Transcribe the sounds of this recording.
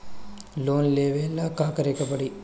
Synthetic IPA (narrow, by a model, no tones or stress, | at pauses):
loːnleːʋelːɐkaːkɐɾekɐpɐɽi